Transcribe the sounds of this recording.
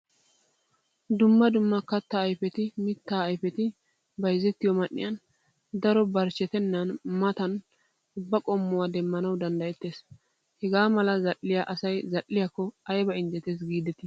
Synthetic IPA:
d̪ʊmːɐd̪ʊmːɐkɐt̪ːɐːjfɛt̪ɪmɪt̪ːaːɐjfɛt̪ɪ | bɐjzɛt̪ːɪjɔmɐnːɪ̰jɐn | d̪ɐɾɔbɐɾt͡ʃːɛt̪ɛnːɐnmɐt̪ɐn | ʊbːɐkʼɔmːʊwad̪ɛmːɐnɐwd̪ɐnd̪ɐjɛt̪ːeːs | hɛɡaːmɐlɐzɐlːɪjaʔɐsɐjzɐlːɪjakːɔɐjbɐɪnd͡ʒ̪ɛt̪es̬ɡiːd̪ɛt̪ɪ

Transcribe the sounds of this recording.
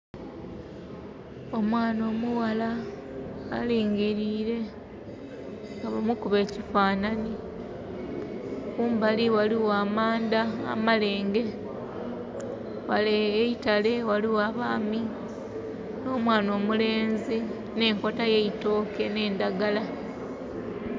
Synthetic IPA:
o̞mwaːno̞ːmuwala̰ː | liːŋɡiɾiːɾe̞ | ŋɡaβamukuβe̞ːcifaːnani | okuːmbaliwaliwaːmaːnda̰ːmale̞ːŋɡe̞ | waleːitale̞waliwaːβaːmi | no̞ːmwaːno̞ːmule̞ːnzi | ne̞ːŋko̞tajeito̞ːke̞ne̞ːndaɡala

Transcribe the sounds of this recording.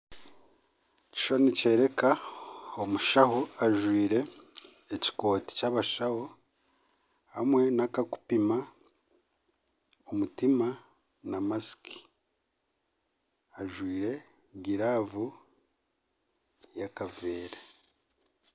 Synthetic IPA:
ci̥ʃo̞nice̞ɾe̞kaomuʃahoaʒwiːɾe̞ː | ci̥ko̞ːti̥caβaʃaho | hamwe̞nakaku̥pima | omutima | namasi̥kʰi̥ | aʒwiːɾe̞ | ɡiɾavu | jakaveːɾa

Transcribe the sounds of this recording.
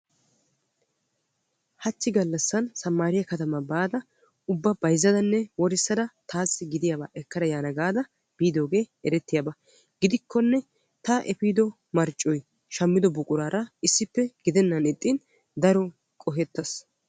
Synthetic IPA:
hɐt͡ʃːɪɡɐlːɐsːɐnsɐmːaːɾɪjɐkɐt̪ɐmɐbaːd̪ɐ | ʊbːɐbɐjzːɐd̪ɐnːɛwɔɾɪsːɐd̪ɐt̪ʰaːsːɪɡɪd̪ɪjaːbaːʔɛkːɐɾɐjaːnɐɡaːd̪ɐ | b̥iːd̪o̞ːɡe̞ːɛɾɛt̪ːɪjaːbɐ | ɡɪd̪ɪkʰːɔnːɛ | t̪ɐʔɛpiːd̪ɔ | mɐɾt͡ʃʼːɔj | ʃɐmːɪd̪ɔbʊkʼʊɾaːɾɐɪsːɪpːɛɡ̥ɪd̪ɛnːɐnɛt̪ʼːin | d̪ɐɾɔ | kʼɔɦɛt̪ːɐs

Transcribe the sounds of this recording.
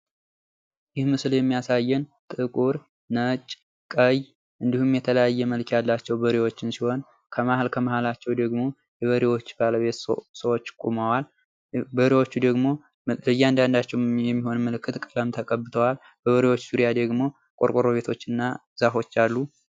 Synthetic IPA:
jɪhmɨsljɛmːijasajːɛnt̪ʼɨkʼuɾ | nət͡ʃʼ | kʼəj | ʔɨnd̪ihumjɛt̪ʰələjajːɛməlkjalːat͡ʃːɛwbəɾiwo̞t͡ʃːɪnsiho̞n | kʰəmahalkʰəmahalat͡ʃːɛwd̪əɡmo̞ | jɛβəɾiwo̞t͡ʃːbaləβe̞t̪səwot͡ʃːkʼuməwal | bəɾiwo̞t͡ʃːud̪əɡmo̞ | bəjːɛand̪and̪at͡ʃːɛwjɛmːiho̞nmːəlɨkːɨt̪kʼɨləmt̪ʰəkʼəbːɨt̪ʰəwal | bəβəɾiwo̞t͡ʃːz̥uɾijad̪əɡmo̞ | kʼo̞ɾkʼoɾo̞βe̞t̪ʰo̞t͡ʃːɨnːa | zafo̞t͡ʃːalːu

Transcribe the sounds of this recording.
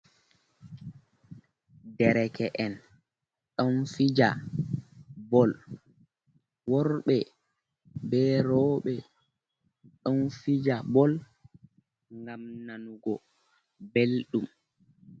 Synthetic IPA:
dɛɾɛkɛʔɛn | ɗɔnfid͡ʒa̰ | bɔl | wɔɾɓɛ | bɛɾɔːɓɛ | ɗɔnfid͡ʒabɔl | ŋɡamnanuɡɔ | belɗum

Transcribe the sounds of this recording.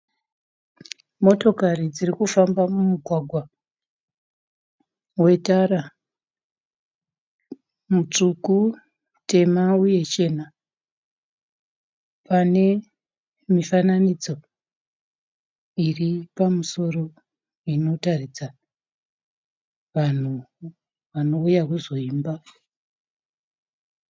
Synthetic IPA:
mo̞to̞karid͡zirikufambamumuɡʱwaɡʱwa | we̞taɾa | mut͡ʂuku | te̞mauje̞t͡ʃe̞na | pane̞ | mifananid͡zo̞ | iripamuso̞ro̞ | ino̞tarid͡za | ʋan̤u | ʋano̞ujakuzo̞iːmba

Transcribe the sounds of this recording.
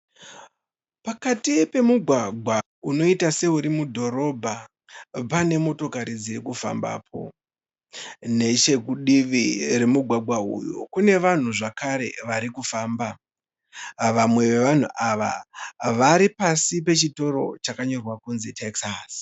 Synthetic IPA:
pakatipe̞muɡʱwaɡʱwa | uno̞itase̞uɾimudʱo̞ɾo̞bʱa | pane̞mo̞to̞kaɾid͡ziɾikufa̰mba̰ːpʰo̞̰ | ne̞t͡ʃe̞kuɗiʋire̞muɡʱwaɡʱwaṵjo̰kune̞ʋan̤uʐakaɾe̞̰ʋaɾikufaːmba | ʋamwe̞ʋe̞ʋan̤uʔaʋa̰ʋaɾipasipe̞t͡ʃito̞ɾo̞̰t͡ʃakaɲo̞rwakunzitʰeksas

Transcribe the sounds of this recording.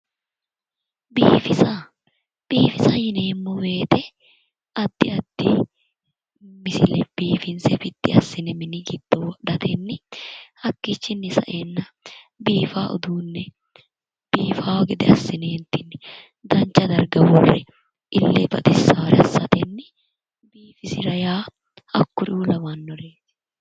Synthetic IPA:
biːfɪsɐ | b̥iːfɪsɐjɪneːmːɔwe̞ːt̪ɛ | ɐd̪ːɪɐd̪̥ːɪ | mɪsɪlɛb̥iːfɪnsɛfɪt̪ːɪɐsːɪnɛmɪnɪɡɪd̪̥ːɔwɔɗɐt̪ʰɛnːɪhɐkːɪt͡ʃːɪnːɪsɐ̰ʔenːɐ | biːfaːʔʊd̪uːnːɛ | b̥iːfaːwɡɛd̪ɛɐsːɪnɛɛnt̪ɪnːɛ̥ | d̪ɐnt͡ʃːɐd̪ɐɾɡɐwɔrːɛ | ʔɪlːebɐ̰t̪ɪsːaːɾɛɐsːɐt̪ɛnːɪ | biːfɪsɪɾɐjaː | ɐkːʊɾuːlɐmɐnːɔɾeːt̪ɛ̥

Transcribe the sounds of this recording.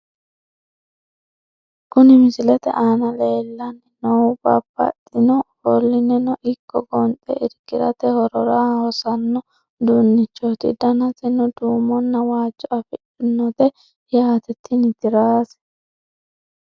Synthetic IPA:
kʊnɪmɪsɪlɛt̪ɛ̰ʔaːnɐleːlːɐnːɪnɔwbɐ̰bɐ̰t̪ʼːɪnɔhɔlːɪnɛnɔʔɪkʰːɔɡɔnt͡sʼɛ̰ʔɪɾɡɪɾɐ̰t̪ɛhɔɾɔɾaːhɔsɐnːɔ | d̪unːɪt͡ʃːɔt̪ɪ̰d̪ɐnɐt̪ɪnʊd̪uːmɔnːɐwaːt͡ʃːɔɐfɪᶑɪnːɔt̪ɛ | jaːt̪ɛt̪ːɪnɪt̪ɪɾaːs

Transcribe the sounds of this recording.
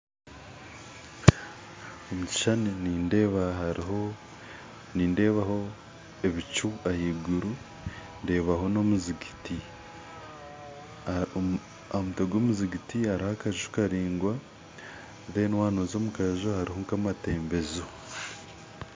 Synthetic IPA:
omuci̥ʃaniniːndeβao | niːndeβaho̞ | eβit͡ʃuahiːɡuɾu | nde̞ːβaɦo̞no̞muziɡiti | amutoɡomuziɡitiaɾihakaʒiʃu̥kaɾiːŋɡwa | βenwaːnozoːmukaeʒohaɾihoŋkamate̞ːmbe̞zo

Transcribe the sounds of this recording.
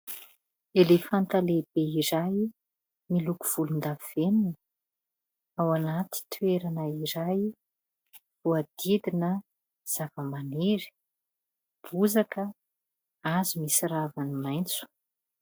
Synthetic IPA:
elefant̪aleb̥eiɾaj | miluku̥v̥ulund̪aviveninə | awanat̪i̥t̪ʰueɾanəiɾaj | vuad̪̥id̪inə | z̥avəmaneɾi̥ | b̥uzakə | azumisiravanimajnt͡su̥

